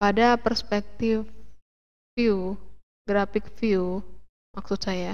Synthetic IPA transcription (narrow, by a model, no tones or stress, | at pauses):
padapərspɛk̚t̪ɪf | fiu | ɡɾafɪk̚fiu | mak̚sʊt̪̚saja